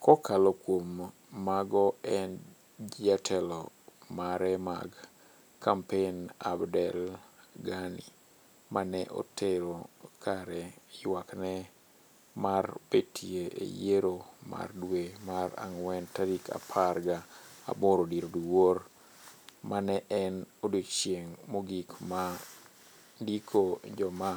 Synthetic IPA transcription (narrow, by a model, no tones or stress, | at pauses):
kɔkalɔkwomː | aɡɔɛn | d͡ʒatʰɛlɔ | maɾɛma̰ɡ | kʰːampena̰bdɛlɡanḭ | manɛʔo̰tʰeɾokʰaɾɛjwaknɛ | marbetʰieʔḛjeɾoma̰rdwemaɾa̰ŋwɛntaɾikʰa̰pʰaɾɡaa̰bɔɾodiɾoduwor | manɛʔɛnodet͡ʃjeŋmoɡikma | ndikʰod͡ʒɔma